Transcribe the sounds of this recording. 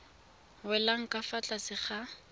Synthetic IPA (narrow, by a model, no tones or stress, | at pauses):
wɛlaŋ̩kʼafat͡ɬʼasɪχa